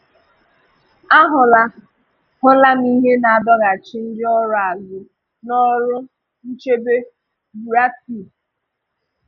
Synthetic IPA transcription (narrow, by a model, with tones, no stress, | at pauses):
a˦ɦʊ˨la˦ | hʊ˦la˦m̩˦i˦ɦe˦na˨a˨dɔ˦ɣa˨t͡ʃɪ˦n̩˦d͡ʒɪ˦ɔ˦ɾʊ˦a˨zʊ˨ | nɔ˦ɾʊ˦ | n̩˦t͡ʃe˦be˦ | bu˨a˦ti˨